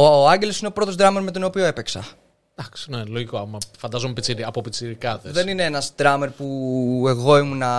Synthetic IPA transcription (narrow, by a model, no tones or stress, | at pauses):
ooɐɲɟelo̞sine̞o̞pɾo̞t̪o̞zd̪ɾɐme̞ɾme̞t̪o̞no̞pio̞e̞peksɐ̰ | d̪̥ɐksi̥neloʝikoɐmɐfɐnd̪ɐzomepit͡siɾiɐpopit͡siɾikɐðeðenineenɐzd̪ɾɐme̞ɾpue̞ɣo̞imunɐ